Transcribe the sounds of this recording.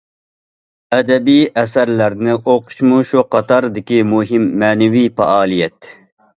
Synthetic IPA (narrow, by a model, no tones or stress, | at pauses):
ɛd̪ɛbiʔɛsæɾlæɾnɪʔoqʰʊ̥ʃmuʃuqɑt̪ʰɑɾd̪ɪkʲimuɦimːɛːnɛvijpɛ̰ʔɑːlˠijɛt̪